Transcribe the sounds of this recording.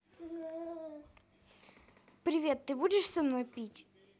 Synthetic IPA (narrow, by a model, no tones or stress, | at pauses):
pɾʲɪvʲe̞t̪ːɨbudʲɪʂsɐmno̞jpʲitʲ